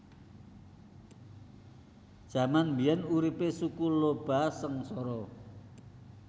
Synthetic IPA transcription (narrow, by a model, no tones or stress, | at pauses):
d̥ʒ̥a̤manmbiɛnuɾipesukulob̥a̤səŋsɔɾɔ